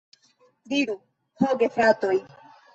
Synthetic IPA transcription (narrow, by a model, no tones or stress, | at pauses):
diɾu | hoɡefɾatoj